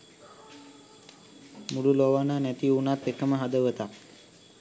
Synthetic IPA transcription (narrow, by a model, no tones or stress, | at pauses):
mululoʋananæt̪iunat̪ːekəməɦad̪əʋət̪ak